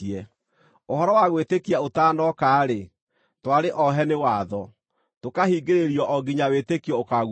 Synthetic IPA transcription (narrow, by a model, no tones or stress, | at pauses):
ɛ | oɦɔɾɔwaɣwetekiaotaːnɔkaːɾe | twaɾeʔɔɦɛnewaðɔ | tokahiːɡeɾeɾiɔʔɔɡiɲawetekiɔokaɣ